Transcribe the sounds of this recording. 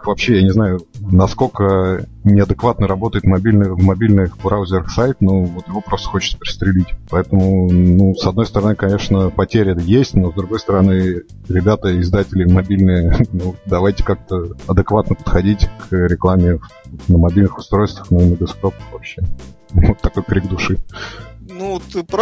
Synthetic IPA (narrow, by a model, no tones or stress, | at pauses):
vɐpɕːejanʲɪznajʊnɐsko̞lʲkənʲɪɐd̪ɨkvat̪nəɾɐbo̞t̪əjɪt̪mɐbʲilʲnɨjvmɐbʲilʲnɨxbɾawʊzʲɪɾəxsajt̪novot̪jɪvo̞pɾost̪ə̥xot͡ɕɪ̥t̪səpʲɪɾʲɪ̥st̪ɾʲɪlʲitʲpɐɛt̪əmʊnusɐd̪no̞jst̪əɾɐnɨkɐnʲe̞ʂnəpɐtʲeɾʲɪɛt̪əjesʲtʲno̞zd̪ɾʊɡo̞jst̪əɾɐnɨ | ɾʲɪbʲat̪əɪzd̪atʲɪlʲɪmɐbʲilʲnɨjənud̪ɐvajtʲɪ̥kak̚t̪əɐd̪ɨkvat̪nəpə̥t̪xɐdʲitʲkʰɾʲɪklˠamʲɪv | nəmɐbʲilʲnɨxʊ̥st̪ɾo̞jst̪vəxnʊinəɡəspɾopə̥xvɐpɕːe | vot̪ːɐkojkɾʲiɡ̚d̪ʊʂɨ | nut̪ɨp